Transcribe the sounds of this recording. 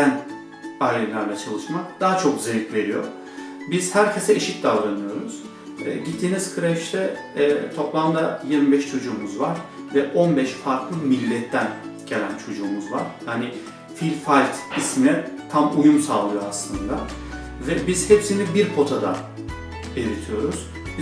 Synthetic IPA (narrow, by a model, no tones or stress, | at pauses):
æn | ajlʲɛlʲæɾlʲɛt͡ʃʰalˠɯʃmak̚d̪̥aɦat͡ʃʰo̞k̚zelʲicve̞ɾijo̞̰ | biz̥hæɾcʰe̞sɛiʃic̚d̪avɾanɯjo̞ɾuz̥ | ɛ̰ːɟit̪ʰːiːniz̥kʰɯɾɛfʃt̪ɛ | t̪ʰo̞plˠamd̪ajiɾmibɛʃt͡ʃʰo̞d͡ʒuːmuzvaɾ̥vɛʔo̞nbɛʃfaɾklˠɯmilʲːɛt̪ʰːænɟ̥e̞lʲænt͡ʃʰo̞d͡ʒuːmuzva̰ɾ̥jaːnɪ | filʲfalʲt̪isminɛt̪ʰamujumsaːlˠɯjoaslˠɯnd̪a | vɛbiz̥hepsinlʲibiɾpʰo̞t̪ʰad̪ḁ | elʲiɾt̪ʰijo̞ɾuz̥